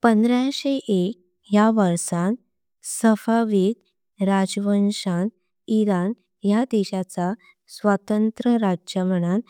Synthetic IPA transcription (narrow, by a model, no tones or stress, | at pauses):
pənd̪ɾjaɕeʔek̚ | jaʋəɾsãn | səfaʋid̪ | ɾad͡zʋənʂan | iɾan | jad̪eɕat͡sa | sʋət̪ənt̪ɾəɾad͡ʑəməɽ̃an